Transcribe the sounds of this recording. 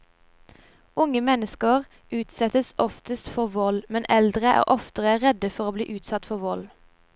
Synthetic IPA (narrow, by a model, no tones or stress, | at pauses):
ʊŋəmɛnəskəʁ | ʉːt̪sɛt̪əsʔɔft̪əst̪fɔʁʋɔlmɛnʔɛld̪ʁəʔæ̰ːʁʔɔft̪əʁəʁɛd̪əfɔʁoːbliːʔʉːt̪sɑt̪fɔʁʋɔl